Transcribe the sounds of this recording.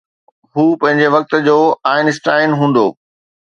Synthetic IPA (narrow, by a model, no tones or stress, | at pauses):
ɦuːpɐ̃ɦɪ̃ɲ̆d͡ʑeʋɐk̚t̪̆d͡ʑoːaːɪnɪsʈaːɪnɦũːn̆d̪oː